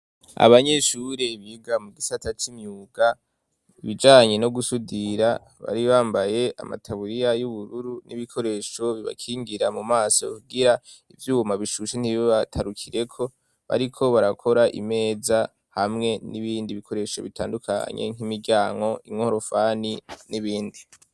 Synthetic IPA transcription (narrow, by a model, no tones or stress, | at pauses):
a̰βaɲe̞ʃuɾe̞βiɡamuɡisatʰat͡ʃimɲuːɡa | iβid͡ʒaːɲe̞no̞ɡusudiɾa | βa̰ɾiβaːmbaje̞ʔa̰ma̰tʰaβuɾijajuβuɾuɾuniβikʰo̞ɾe̞ʃo̞βiβa̰kʰiːŋɡiɾamumaːso̞kuɡiɾa | ivjuːmaβiʃuʃen̥iββatʰaɾukʰiɾe̞kʰo̞ | βa̰ɾikʰo̞βaɾakʰo̞ɾaʔḭme̞ːza | hamŋe̞niβiːndiβikʰo̞ɾe̞ʃo̞βitʰaːndukʰa̰ɲḛŋ̥imiɟaːŋɡo̞ʔimŋoɾofaniniβiːndi